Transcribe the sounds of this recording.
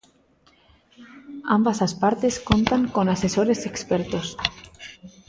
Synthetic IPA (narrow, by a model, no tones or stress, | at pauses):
ambasaspaɾt̪eskont̪aŋkonasesoɾesekspeɾt̪os